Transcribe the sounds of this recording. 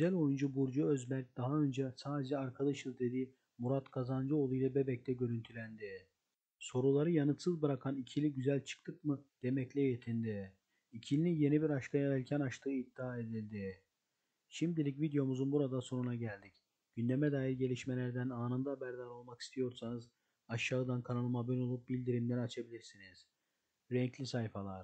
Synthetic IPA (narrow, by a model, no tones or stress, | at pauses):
ɡyzælʲo̞jund͡ʒubuɾd͡ʒuøzbæɾc̚d̪aɦaø̞nd͡ʒɛsaːd̪ed͡ʒɛaɾkʰad̪aʃɯzd̪e̞d̪i | muɾat̪kʰazand͡ʒɯo̞lˠujlˠabe̞bɛc̚t̪ʰɛɟø̞ɾynt̪ʰylʲænd̪i | so̞ɾulˠaɾɯjanɯt̪sɯzbɯɾakʰanicʰilʲiɟyzælʲt͡ʃʰɯ̥kt̪ʰɯkmɯd̪̥e̞mɛclʲɛje̞t̪ʰind̪i | icʰilʲinʲije̞nibiɾaʃt̪ʰajaɾɛlʲcʰɛnaʃt͡ʃt̪ʰɯːid̪ːiaːe̞d̪ilʲd̪i | ʃimd̪ilʲic̬vid̪ejo̞muzunbuɾad̪aso̞nunaɟælʲd̪ic | ɟ̥ynd̪emɛd̪aːjiɾɟe̞lʲiʃme̞lʲæɾd̪ænaːnɯnd̪aːbæɾd̪aɾo̞lˠmaki̥st̪ʰijo̞ɾsanɯz | aʃːaːɯd̪ankʰanalˠɯmabino̞lˠup̚bilʲd̪iɾimlʲeɾiat͡ʃʰabilʲiɾsiniz̥ | ɾɛɲclʲisajfalˠaɾ̥